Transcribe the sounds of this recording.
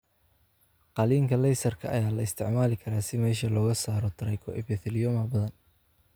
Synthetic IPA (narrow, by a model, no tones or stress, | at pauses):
qɑliːŋkʰɐlɛjsɐrkʰɐɐ̰jaːlɐɪst̪ʰɪʕmaːlɪkʰɐɾaːsɪmɛːʃɐlɔːɣɐsaːɾɔt̪ʰɪɾɐjkʰɔ̰ʔɪ̰fɛθɪlɪjɔmɐbɐðɐn